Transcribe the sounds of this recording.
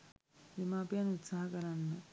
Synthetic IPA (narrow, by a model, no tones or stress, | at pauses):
jemaːpjanut̪saːɦɐkɐɾanːɐ